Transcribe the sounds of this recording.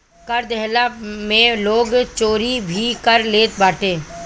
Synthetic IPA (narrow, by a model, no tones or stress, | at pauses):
kɐɾd̪ɛɦlamẽloːɡt͡ʃoːɾibʱikəɾleːt̪baːʈẽː